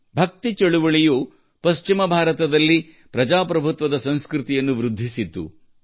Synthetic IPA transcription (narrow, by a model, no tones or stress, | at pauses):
bʱɐk̚t̪it͡ʃɐɭuʋɐɭijuː | pɐʃt͡ʃimɐbʱaːɾɐt̪ɐd̪ɐlːi | pɾɐd͡ʒaːpɾɐbʱut̪ʋɐd̪ɐsɐ̃ñskɾut̪ijɐnːuʋɾud̪ʱːisit̪ːṵ